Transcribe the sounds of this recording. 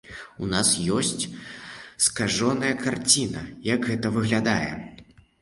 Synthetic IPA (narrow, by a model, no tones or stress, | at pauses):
unasjɔsʲt͡sʲ | skaʐɔnɐjɐkart͡sʲinɐ̰jɐɡɣɛt̪ɐvɨɣlʲad̪ajɛ̰